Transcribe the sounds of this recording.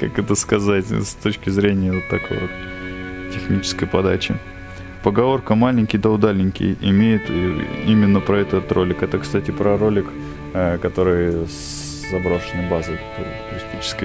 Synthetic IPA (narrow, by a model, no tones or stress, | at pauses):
ka̰kɛt̪əskɐzatʲst̪ot͡ɕkʲɪzɾʲenʲɪjəot̪ːɐko̰jvot̪ | tʲːɪxnʲit͡ɕɪ̥skəjpɐd̪at͡ɕɪ | pəɡɐvo̞rkəmalʲɪnʲkʲɪjd̪əʊd̪alʲnʲɪnʲkʲɪ̰jɪmʲejɪt̪imʲɪnːəpɾɐɛt̪ət̪rʔo̞lʲɪkɛt̪əkst̪atʲɪpɾɐɾo̞lʲɪk | kɐt̪o̞ɾɨj | zɐbɾoʂɨnəbazɨt̪ | t̪ʊɾʲɪsʲtʲit͡ɕɪ̥skəj